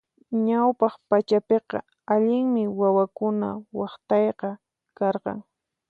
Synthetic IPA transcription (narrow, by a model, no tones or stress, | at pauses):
ɲawpɑχpat͡ʃapeqɑ̰ | aʎɪŋmɪwawakʊna̰wɑχt̪ɑjqɑ | kɑɾqɑ̰ŋ